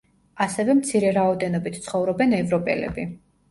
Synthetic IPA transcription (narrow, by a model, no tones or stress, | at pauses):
asɛvɛmt̪sʰiɾɛɾaɔd̪ɛnɔbit̪ʰt̪sʰχɔvɾɔbɛnɛvɾɔpʼɛ̰lɛ̰bi